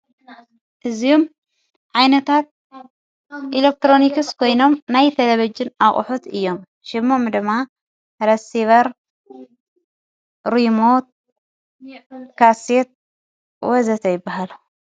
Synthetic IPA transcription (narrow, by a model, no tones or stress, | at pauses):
ʔɨziom | ʕajnɐt̪ʰat̪̚ | ʔilek̚t̪ɾo̞nikɨskʰo̞jno̞mnajt̪ʰɐlɐβɐd͡ʒɪnaχʼʊ̰ħut̪ʰɨjːo̞m | ʃɪmːomd̪ɨmːa | ɾɐsiβɐɾ | ɾimot̪̚ | kʰaset̪̚ | wɔzɐt̪ʰɐjɪbːaɦalu